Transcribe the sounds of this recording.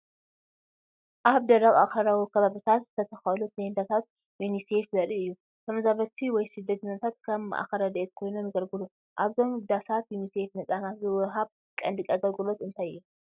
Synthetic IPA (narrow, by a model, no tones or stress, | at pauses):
ʔaβd̪ɐɾɐɣʼa̰xɐɾawikʰɐβaβɨt̪ʰat̪zɨt̪ʰɐt̪ʰɐxɐlut̪ʰɐjnd̪at̪ʰat̪̚ | junisefzɐɾiɨjːu | k̪ʰɐmɐzaβɐt̪ʰiwɔjsɨd̪ːɐt̪ʰɨnat̪ʰat̪kʰɐm̰ːʔa̰xɐɾɐd̪ɐet̪kʰo̞jnunɨɡɐlɡɨlu | ʔaβzo̞md̪asat̪junisefnɨt͡sʼanat̪zɨwɨɦaβ | kʼɐnd̪ɨkʼɐɡɐlɡɨlot̪ɨnt̪ʰajɨjːu